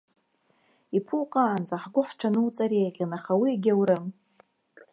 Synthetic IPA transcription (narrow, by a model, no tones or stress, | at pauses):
ipʰuqʼaːnd͡zaħɡʷʊħʈ͡ʂʰanɨwt͡sʼaɾejqʲanaχawiːɡʲawɾɨm